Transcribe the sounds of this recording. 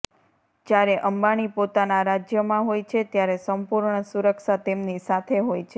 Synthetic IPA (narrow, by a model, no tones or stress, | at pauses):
d͡ʒjaɾeʔəmbaɽ̃ipot̪anaɾad͡ʒjəmãɦojt͡ʃʰet̪jaɾesəmpuɾɳəsuɾəkʃat̪emnisat̪ʰeɦojt͡ʃʰe